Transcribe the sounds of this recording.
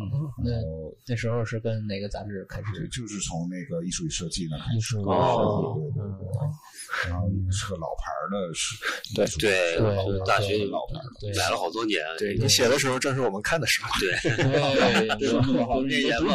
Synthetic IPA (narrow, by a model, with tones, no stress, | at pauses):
na˥˩˧na˥˩ɪʂɻ̩˧˥xo˧ʊʂɻ̩˥˩kə˥nne˨˩ɪɡə˦t͡sa̰˧˥ʈ͡ʂɻ̩˥˩kʰa˥ɪʂɻ̩˨˩t͡ɕjo˥˧ʊʂɻ̩˥˩t͡sʰʊ˧˥ŋne˥˩ɡə˩i˥˩ʂu˥˩i˥˩ʂɤ˥˧t͡ɕi˥˩nə˩˧i˥˧ʂu˥˩˥e˥˧˩ɔ˥˩d̪ | nxo˥˩˧ʂ̩˥ə˧lɑ˨˩ʊpʰa̰˧˥d̪ə˧˥˩t̪we˥˩ɪt̪we˥˩ɪwe˥˩o˥˧ʂ̩˥t̪a˥˩ɕɥɛ˧˥ni˧˥lɑ̰˨˩ʊpʰa̰˧˥də˧t̪we˥˩la˧˥lə˧xɑ˨˩ʊt̪wɔ˥njɛ̰˧˥nwe˥˩˨ni˧˥ɕjɛ˨˩d̪ə˦ʂ̬ɻ̩˧˥xo˧ʊʈ͡ʂɤ˥˧ŋʂ̬ɻ̩˥˩wɔ˨˩ə˦nkʰa˥˩nd̪ə˩ʂɻ̩˧˥t̪we˥˩t̪we˥˧˥ | xɛ˥jɛ˧˥n˥˩